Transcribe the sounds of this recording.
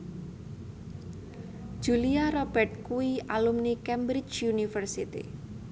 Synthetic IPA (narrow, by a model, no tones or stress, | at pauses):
ʒ̥uliaɾɔb̥ɛrt̪̚kuialumnikɛmbɾɪt͡ʃunifərsit̪ḭ